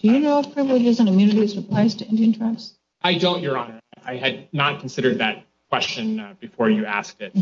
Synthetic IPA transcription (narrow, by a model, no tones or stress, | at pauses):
d̥ɨjɨnoʊʌpʰɹɨvləjɨzə̃nkʰmjʉ̃nɨɾiɨzɹɨpʰl̥aɪztʰɨɪ̃ndiɨ̃ntʰɹ̥aɪfs | ʔaɪdõʊ̃nt͡ʃə˞ɑnə˞aɪɨd̚ⁿnət̚kʰn̩sɪɾə˞d̪̚ðɨt̚ | kʰw̥ɛst͡ʃɨ̃nb̥ɨfɔɹjɨæ̰sk̚tɪt̚